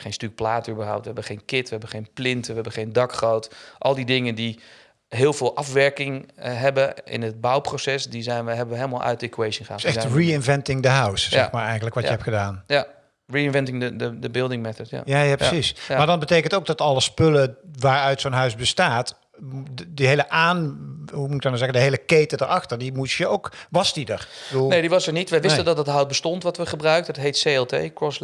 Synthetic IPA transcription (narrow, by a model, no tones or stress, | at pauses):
χejnstyk̚plaːtəybərɦɔ̰wp̚tʋəɦɛbəχejnkɪtʋəɦɛbəχejnplɪntəʋəɛbəχejndɑkχowtʔɔlˠdidɪŋəndi | ɦɪːlˠvɪːlˠʔɑfʋɛɹkɪŋɦɛbəɪ̰nət̚bawprosɛsdizɛjnʋəɦɛbəʋəeːlˠəma̰lˠʔœ̰ɥtekwejsənχaːɛxriɪnvɛntɪŋdəɦawsːɛxmaɹɛjɣənləkʋɔəɛp̚xədaːnja | riɪnvɛntɪŋəədəbɪlˠdɪŋmɛθətja̰jaːjaːpəsismaːɹdɑnbətejkəntowɡdɑtɑlˠəspɵləʋaːɹœɥtsonɦœɥsbəstaːt | dəɦejləʔaːnɦumutk̚dɑnawzɛɣədəɦejləkejtədəɹɑxtəɹdimusjəowkʋɑsdidəɹədulˠnediʋɑsəɹnitʋɛjʋɪsttədɑtdɑtɦawt̚bəstɔntʋɑtʋəχəbrœɥk̚tədɑtɦejtsejɛlˠtḛjkɹɔs